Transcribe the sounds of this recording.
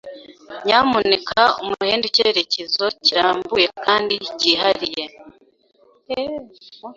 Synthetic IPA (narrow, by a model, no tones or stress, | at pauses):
ɲaːmunekʰaomuheːndeceɾe̞cezo̞ciɾaːmbuje̞kaːndiciːɦaɾije̞